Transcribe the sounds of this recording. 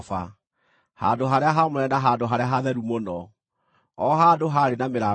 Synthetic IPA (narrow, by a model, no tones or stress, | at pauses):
fa | ha̰doɦaɾeaɦamoɾɛnaɦadoɦaɾeaɦaðɛɾumonɔ | ɔɦadoɦaɾenameɾa